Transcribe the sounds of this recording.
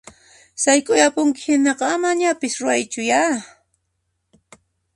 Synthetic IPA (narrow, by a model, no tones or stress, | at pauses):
sajkʼʊjapʊŋkɪ̥hɪnɑqɑamaɲapɪsɾʊajt͡ʃʊja